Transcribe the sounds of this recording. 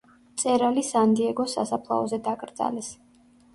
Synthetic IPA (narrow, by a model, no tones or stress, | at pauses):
t̪sʼɛɾalisand̪iɛɡɔsa̰sapʰlˠa̰ɔzɛd̪akʼɾd̪z̥a̰lɛs